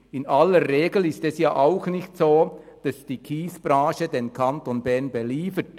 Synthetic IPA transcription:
ɪnaləːeːɡl̩ɪstɛsjaːʔaʊxnɪçtsoː | d̥ɑsd̥iːkʰiːsb̥raːʃədenkʰantonbɛʁnbɛliːfət

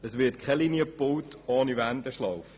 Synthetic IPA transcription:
əsʋɪɐt̚kʰɛlinjəpowtʰɔːnivændəʃlɑwf

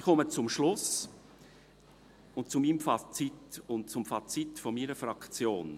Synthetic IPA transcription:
kʰɔmət͡sʊmʃlʊs | ʊntt͡sumiːmfat͡sitʊntt͡sʊmfɑt͡sitfɔmiːɾəfrɑkt͡sjoːn

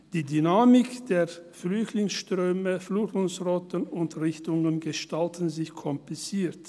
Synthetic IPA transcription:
d̥iːdynaːmɪkd̥eːɐflʏçtlɪŋsʃtʁ̥øːməfluːtmʊnsʁɔtənʊntʁɪçtʊŋənɡəʃtaltn̩zɪçkʰɔmplɪt͡siːɐt

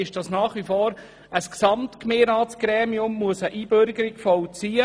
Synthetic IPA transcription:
ɪʃd̥ɑsnɑːχʋifoːɾ | əsksɑmtkmeːɾɑːtsɡ̥ɾɛːmiʊmːuəsəʔiːbøɾɡəɾɪɡfɔwt͡siːə

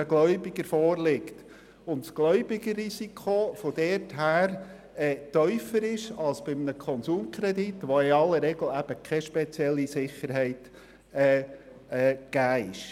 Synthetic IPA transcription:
əɡlœʏbɪɡəɾfɔːɾlɪkt | ʊntsɡ̥lœʏbɪɡəɾisikʰofɔd̥ɛɾthæːɾ | ɛːt̪œʏfəɾɪʃɑlˠsb̥ɪmnəkʰɔnsuːmkʰɾɛd̪itʋoɪɑlːəɾːɛɡl̩æb̥əkʰɛʃpɛt͡sjɛlːisɪχəɾɦɛɪt | ɛː | ɛːɡ̥æːɪʃ

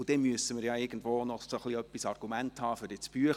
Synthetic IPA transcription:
ʊd̥ɛnmyəsəmɪɾjɑɪɡ̥ən̩dvoːnɔsoχliœpːisɑrɡ̥umænthɑːfʏɾdɪt͡sb̥yə

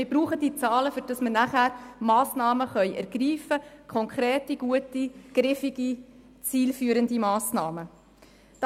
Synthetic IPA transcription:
mɪɾbɾuːχədit͡sɑːləfyɾd̥ɑsmənæχæːɾmɑːsnɑːməχœʏʔæ̰ɾɡ̥riːfəkʰɔŋkʰɾeːtiɡ̥uətiɡ̥ɾɪfiɡi | t͡siːlfyːəɾəndimɑːsnɑːmə | d

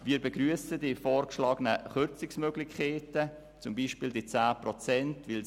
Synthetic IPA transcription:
viːɾbɛɡryəsədifɔːrkʃlɑːɡənəχʏɾt͡sɪksmøːɡlɪçkʰeːtə | t͡sʊmbiːʃpɪːldit͡saːprɔt͡sɛntvɪl

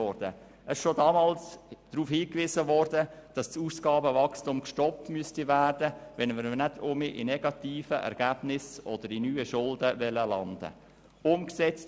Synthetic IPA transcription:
ɔɾd̥ə | ɛsʃodɑːmɑːlsd̥ɾuːfhiːkʋɪzəʋɔrdəd̥ɑst͡suːsɡ̥ɑːbəvɑkstʊmkʃtɔp̚tmyəstivæːrd̥əʋɛnməɾənædʰʊmiʔɪnɛɡ̥ɑt̪iːfəʔɛ̰ɾɡ̥æb̥nɪsɔd̥əɾinyːəʃʊldəʋɛləlɑnd̥ə̰ | ʊmksɛt͡st

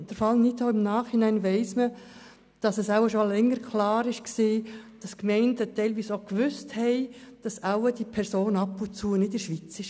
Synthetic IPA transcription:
d̥əɾfɑlnitoɪmnɑːχhɪnæɪnʋɛɪsmə | d̥ɑsɛsawəʃolɛŋːəɾkʰlɑːɾɪʃksiːd̥ɑskmɛɪndətɛɪlʋiːsokʋʏsthɛɪd̥ɑsawəd̥ipʰɛɾsoːnɑpːʊnt͡sunɪdəɾʃʋit͡sɪʃ

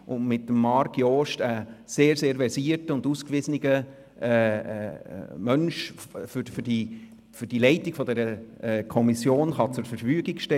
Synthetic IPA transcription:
ʊnmɪtːəmːɑɾkjɔːʃtəseːɾseːɾvɛɾsiːəɾtəʊnduːskʋɪzəniɡə | ɛ̰ | mœnʃffdi | fʏrdilɛɪtiɡ̥fɔdɛɾəɛkʰɔmisjoːnχɑt͡sʊɾfəɾfyːəɡiɡ̥ʃtɛ

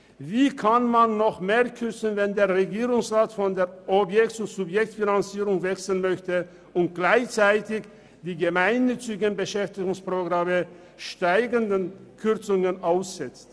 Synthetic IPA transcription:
viːkʰanmanːɔχmeːɐkʰʏt͡sən̩vɛndeːɐʁeɡiːʁʊŋsʁaːtfɔndeːɐʔɔpjɛktʊntz̥ʊpjɛktfinant͡siːʁʊŋvɛksl̩nmœçtə | ʊnt̚ɡ̥laɪçt͡saɪtɪç | d̥iːɡəmaɪnːʏt͡sɪɡənbəʃɛftɪɡʊŋspʁ̥oɡʁamə | ʃtaɪɡəndənkʰʏɐt͡sʊŋənʔaʊsz̥ɛt͡st

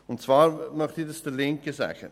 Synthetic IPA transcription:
ʊntt͡svaːɾmœχtiːdɑsd̥əlɪŋkəsæ̰ːɡ̥ə̰

